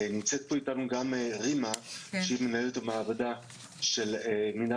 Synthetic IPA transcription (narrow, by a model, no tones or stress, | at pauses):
nimt͡sɛt̪̚poit̪anuɡameʁimaʃeimenaɛlt̪omaːvod̪a | ʃelmina